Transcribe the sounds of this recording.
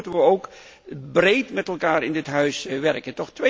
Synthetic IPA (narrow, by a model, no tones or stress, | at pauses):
təʋəowkbrejtmɛtɛlˠkaːɾɪndɪtɦœɥsʋɛrkəntɔχtʋe